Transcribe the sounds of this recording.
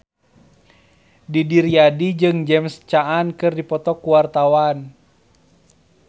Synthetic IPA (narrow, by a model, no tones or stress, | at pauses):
didiɾiadid͡ʒɨŋd͡ʒɛmst͡ʃaːnkɨrdipɔt̪ɔkuwart̪awan